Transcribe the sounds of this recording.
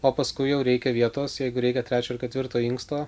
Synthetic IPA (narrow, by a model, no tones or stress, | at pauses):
oːpɐskʊɪjɛʊɾʲɛɪkʲɛʋʲiɛt̪oːsjɛɪɡʊɾʲɛɪkʲɛt̪ʲɾʲæːt͡ʃʲoːɪrkʲɛt̪ʋʲɪɾt̪oːɪŋkst̪oː